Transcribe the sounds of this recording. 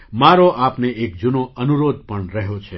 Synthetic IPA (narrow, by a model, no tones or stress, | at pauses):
maɾoʔapneʔekd͡ʒunoənuɾod̪̚pəɳɾəɦot͡ʃʰe